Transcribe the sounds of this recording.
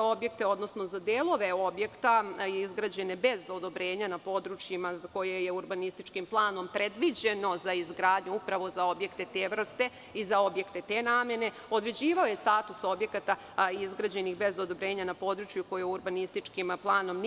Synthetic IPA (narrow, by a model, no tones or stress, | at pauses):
o̞bje̞k̚t̪e̞o̞d̪no̞sno̞zad̪eːlˠo̞ʋe̞o̞bje̞kt̪aizɡɾad͡ʑe̞ne̞be̞zo̞d̪o̞bɾe̞ːɲanapo̞ːd̪ɾut͡ʃjimazako̞jeje̞uɾbanist̪it͡ʃkimplˠaːno̞mpɾʔe̞d̪ʋid͡ʑe̞no̞zaizɡɾaːd̪ɲuupɾaʋo̞zao̞bje̞kt̪e̞t̪eʋr̩st̪e̞ | izao̞bje̞kt̪e̞t̪enaːmje̞ne̞ | o̞d̪ɾe̞d͡ʑiːʋao̞jest̪aːt̪uso̞bje̞kat̪a | izɡɾad͡ʑe̞nixbe̞zod̪o̞bɾe̞ːɲanapo̞ːd̪ɾut͡ʃjuko̞jejuɾbanist̪it͡ʃkimplˠaːno̞mn